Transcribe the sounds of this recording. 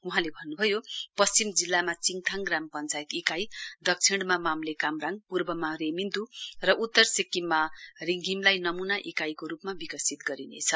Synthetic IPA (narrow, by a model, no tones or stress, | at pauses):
uɦãlebʱʌnːubʱʌjopʌst͡simd͡zilːamat͡siŋt̪ʰaŋɡrampʌnt͡sajit̪ikajd̪ʌk̚t͡sʰiɽmamamlekamraŋpurbʌmaɾemind̪urʌʔut̪ːʌrsikːimːariŋɡʱimlajnʌmunaʔikajkoɾupmabikʌsit̪ɡʌɾinḛt͡sʰʌ